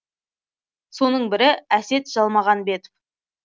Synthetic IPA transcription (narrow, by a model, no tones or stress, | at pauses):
so̞nəɴbɪɾɪæse̞t̪ʒ̥ɑlˠmɑʁɑnbe̞t̪ɪ̥p